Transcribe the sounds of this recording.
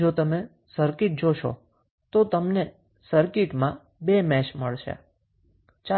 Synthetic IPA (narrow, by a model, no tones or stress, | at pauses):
d͡ʒot̪əme | səɾkɪʈ̚d͡ʒoʃo̰ | t̪ot̪əmne | səɾkɪʈmã | bemɛt͡ʃməɭʃʰḛ | t͡ʃa